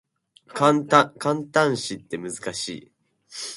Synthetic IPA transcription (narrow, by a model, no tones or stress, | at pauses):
kanakãnt̪ãɰ̃ɕit̪ːe̞mɯzɨkaɕḭː